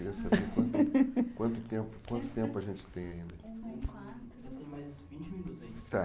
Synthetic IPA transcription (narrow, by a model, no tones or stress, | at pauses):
ɾiɐsabeɾkwɐ̃nt̪ʊkwɐ̃nt̪ʊt̪ẽmpʊ̥kwɐ̃nt̪ʊ̥t̪ẽmpʊɐʒẽnt͡ʃɪ̥t̪ẽj̃aĩnd̪ɐ̃aɾ | ɐt̪maɐsĩd͡ʒiɐzt̪a